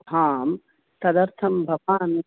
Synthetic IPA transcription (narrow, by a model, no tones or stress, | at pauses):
ɦaːm | t̪ɐd̪ɐɾt̪ʰɐmbʱɐaːn